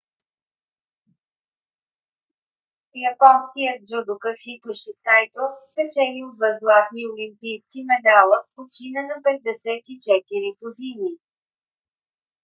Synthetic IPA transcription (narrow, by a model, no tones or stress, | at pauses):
jɐpɔnskʲijət̪̚d͡ʒud̪ʊkəxit̪ʊʃɛsajt̪oskɐt͡ʃɛniot̪vəzɡlˠat̪niolimpijskimɛd̪alˠəfpot͡ʃinənɐpɛd̪̚ːɛsɛt̪it͡ʃɛt̪iɾiɡod̪ini